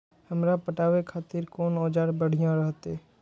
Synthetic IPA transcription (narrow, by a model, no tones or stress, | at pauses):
həmɾapəʈaːʋekʰaːt̪ɪɾkoːnoːd͡ʒaːɽbəɽ̤ɪjãɾəɦt̪eː